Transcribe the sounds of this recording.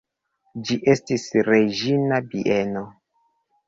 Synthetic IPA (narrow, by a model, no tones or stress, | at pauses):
d͡ʒiʔe̞stisɾed͡ʒinabiʔeno